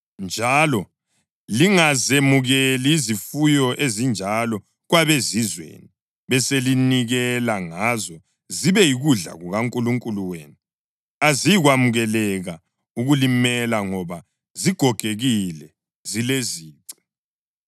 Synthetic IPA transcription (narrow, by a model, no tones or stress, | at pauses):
nd͡ʒʱalɔ | liŋazemuɣeliːzifujɔʔezind͡ʒʱalɔ | ɣwaβezizwḛːni | βɛseliniɣɛlaŋazɔ | ziβɛjiɣuɮa̰ɣuɣaŋkʼuluŋkʼuluwḛːnu | azijiɣwamuɣɛlɛɣa | uɣulimɛlaŋɔβa | ziɡ̥ʱɔɡ̥ʱeɣilɛ | zileziːǀi̥